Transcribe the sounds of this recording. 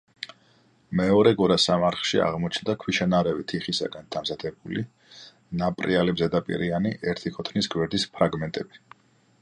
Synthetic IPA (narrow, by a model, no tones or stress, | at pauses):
mɛɔɾɛɡɔɾasamaɾχʃia̰ʁmɔt͡ʃʰnd̪akʰwiʃanaɾɛvit̪ʰiχisa̰ɡand̪̥amzad̪ʰɛbuli | napʼɾialɛbzɛd̪apʼḭɾianiʔɛɾt̪ʰikʰɔt̪ʰnisɡwɛɾd̪ispʰɾaɡmɛnt̪ʼɛbi